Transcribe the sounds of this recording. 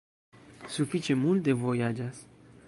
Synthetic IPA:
sufit͡ʃemult̪̚d̪evojad͡ʒas

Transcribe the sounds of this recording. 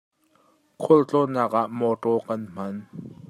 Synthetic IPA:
kʰʊlt͡ɬɔnaːk̚ʔaʔmɔʈɔːkɐnm̥ɐn

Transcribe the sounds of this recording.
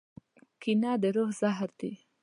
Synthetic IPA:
kinɑd̪əɾohzaɦɾd̪i

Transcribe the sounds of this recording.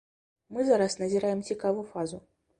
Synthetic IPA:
mɨzaɾasnɐzʲiɾajɛmt͡sʲikavujufazu

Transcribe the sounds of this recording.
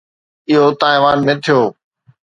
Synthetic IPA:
ɪɦot̪aːiʋaːnmẽːt̪ʰijoː

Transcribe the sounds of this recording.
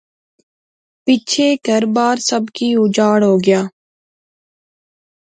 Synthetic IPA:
pit͡ʃʰeːɡʱəɾbaːɾsəbkiːʊd͡ʒaːɽɦoːɡɪjaː

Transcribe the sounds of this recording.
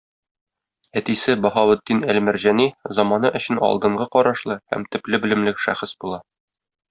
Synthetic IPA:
æt̪isɘbɒhɑwɘ̆d̪ːinælmɘ̆ɾʑænizɒmɑnɤʔɵ̆ɕɘ̆nɒ̰lˠd̪ɤ̆ɴɢɤqɒɾɑʃlˠɤhæ̰mt̪ɘ̆plɘbɘ̆lɘ̆mlɘkʃæχɤsbulˠɑ

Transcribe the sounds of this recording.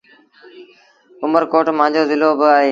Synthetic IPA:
ʊməɾkoːʈmãːɲd͡ʑoːzɪloːbɪaːɦeː

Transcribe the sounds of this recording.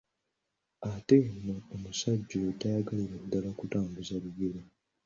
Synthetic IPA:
atenːoːmusaɟːotajaɡaliɾedːalakutaːmbuzaβiɡeɾa

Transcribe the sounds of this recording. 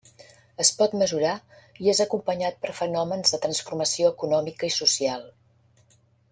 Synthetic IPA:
əspɔt̪məzuɾa | iezəkumpəɲat̪̚pəɾfənɔmənzðət̪ɾənsfurməsioəkunɔmikəisusialˠ

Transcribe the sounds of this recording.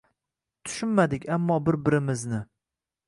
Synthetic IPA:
t̪ʰʊ̥ʃʊnmad̪ɪkʲʰamːɒbɪɾbɪɾɪmɪznɪ

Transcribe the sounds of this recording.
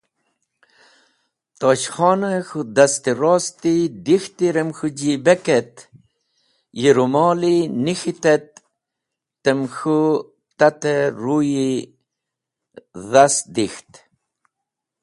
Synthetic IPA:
t̪oːɕχɑːnəxud̪ast̪iɾoːst̪id̪ixt̪iɾemxud͡ʑibeket̪ | jiɾumɔːlinixit̪et̪̚ː | əmxu | t̪at̪eɾuji | ðasd̪ixt̪

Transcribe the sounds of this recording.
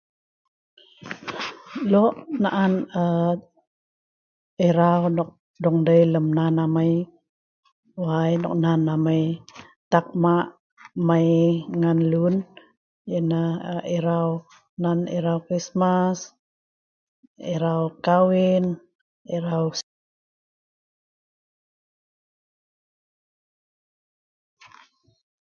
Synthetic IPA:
lɔʔnaʔanə | eɾawnɔk̚ | dɔŋdəjləmnanaməj | wajnɔ̰k̚nanaməj | t̪ak̚maʔ | majŋanlun | jənaiɾaw | naniɾawkɾismas | iɾawkawin | iɾaw

